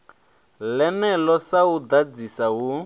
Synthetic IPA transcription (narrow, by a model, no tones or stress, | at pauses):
lɛnɛlɔsaud̪ad͡zisawu